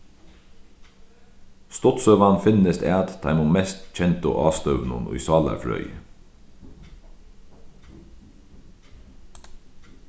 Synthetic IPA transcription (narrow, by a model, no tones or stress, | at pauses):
st̪ɔt̪sœʋɑnfɪnəst̪æːt̪t̪ʰɑɪmʊmɛst̪c͡çɛnt̪ə̰ʔɑːst̪œʋnʊ̰nʊ̰ʏsɑːlɑ̰fɾœ̰ʏ